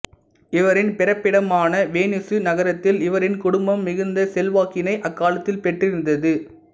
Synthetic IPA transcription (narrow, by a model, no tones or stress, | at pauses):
ɪʋɐɾɪnpɪɾɐpːɪɽɐmaːnɐʋeːnɪsɯnɐɣɐɾɐt̪ːɪlɪʋɐɾɪnkʊɽʊmbɐmːɪɣɯnd̪ɐsɛlʋaːkɪnɐɪʔɐkːaːlɐt̪ːɪlpɛʈrɪɾɯnd̪ɐðɯ